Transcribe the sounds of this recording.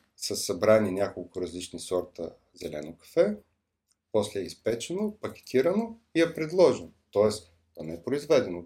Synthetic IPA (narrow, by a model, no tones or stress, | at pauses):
səsɐbɾaninʲjakolˠkʊɾɐzlit͡ʃnisɔɾt̪ə | zɛlɛ̰nokɐ̥fɛ | pɔslɛɛispɛt͡ʃɛnopɐkʲɛ̥t̪ʰiɾɐnoiɛpɾɛd̪lˠɔʒɛnot̪ɔɛs | t̪ɔnɛɛpɾoizvɛd̪ɛno